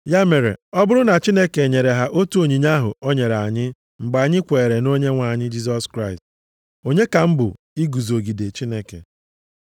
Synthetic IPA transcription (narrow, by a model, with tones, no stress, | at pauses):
ja˦me˨ɾḛ˨ɔ˦bʊ˦ɾʊ˦na˨t͡ʃi˦ne˦ke˨ɲe˨ɾe˨ɦa˨ʔo˦tu˦o˨ɲi˨ɲa˦ɦʊ̰˨o˦ɲe˨ɾa˨ɲɪ˦ | ŋ͡m̩˨ɡ͡ba˨ɲɪ˦kʷe˨ɾe˨no˦ɲe˦ŋʷa˨ɲɪ˦d͡ʒi˦s̬ɔ˦skɾa˦ɪ˨st | o˨ɲe˦ka˨m̩˦bʊ̰˨ | i˦ɡu˨zo˨ɡi˨de˨t͡ʃi˦ne˦kḛ˨